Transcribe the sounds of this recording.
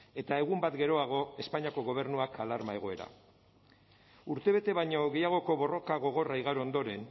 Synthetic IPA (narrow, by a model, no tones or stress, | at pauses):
e̞t̪ae̞ɣumbat̪ɡe̞ɾo̞aɣ̞o̞e̞spaɲiako̞ɣo̞β̞e̞ɾnuakʰalaɾmae̞ɣ̞o̞e̞ɾa̰ | uɾt̪e̞β̞e̞t̪e̞βajɲo̞ɣe̞jaɣ̞o̞ko̞βo̞ro̞kaɣo̞ɣ̞o̞raiɣaɾuond̪o̞ɾe̞n